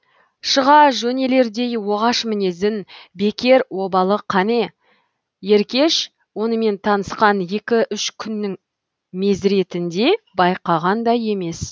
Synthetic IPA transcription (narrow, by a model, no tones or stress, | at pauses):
ʃəʁɑʒɵne̞le̞ɾd̪e̞jwo̞ʁɑʃmɪne̞zɪnbe̞kʲe̞ɾwo̞bɑlˠəqʰːɑne̞ | je̞ɾkʲe̞ʃ | wo̞nəme̞nt̪ʰɑnəsqɑnje̞kʲɪʔʏʃkʲʰʏnːɪŋ | me̞zɾe̞t̪ɪnd̪e̞bɑjqɑʁɑnd̪ɑje̞me̞s